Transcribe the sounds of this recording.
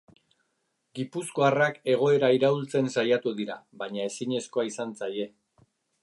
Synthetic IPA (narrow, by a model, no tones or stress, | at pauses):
ɡipusko̞arake̞ɣ̞o̞e̞ɾaiɾault͡se̞nsajat̪uðiɾaβaɲae̞siɲe̞sko̞aisant͡saje̞